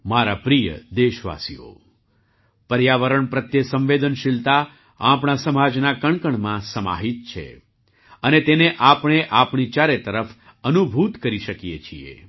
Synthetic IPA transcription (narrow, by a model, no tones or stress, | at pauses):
maɾapɾijə̰d̪eʃʋa̰sio̰ | pəɾjaʋəɾəɳpɾət̪jəsə̃mʋed̪ənʃilt̪a | apɳ̃asəmad͡ʒnakəɳkəɳmãsəma̰ɦit̪̚t͡ʃʰḛ | ənet̪eneʔapɳ̃eʔapɳ̃it͡ʃaɾet̪əɾəf | ənubʱut̪kəɾiʃəkijḛt͡ʃʰiḛ